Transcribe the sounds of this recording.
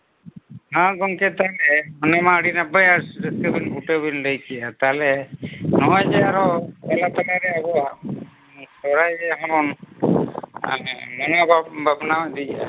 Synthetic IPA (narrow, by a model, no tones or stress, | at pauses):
naɡɔŋkɛt̪alɛmɔnamaɽinabajaɾsɾɛskɛbinbuʈebinɾəjkɛjat̪aɦlɛnɔɔjd͡ʒɛaɾɔpɛlapɛlaɾɛabɔwa | sɔɾajd͡ʒɛɦɔɾɔn | mɔnɔbbabnawɛd̪ija̰